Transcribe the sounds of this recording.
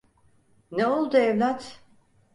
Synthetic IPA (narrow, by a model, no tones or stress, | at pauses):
neolˠd̪uɛvlʲat̪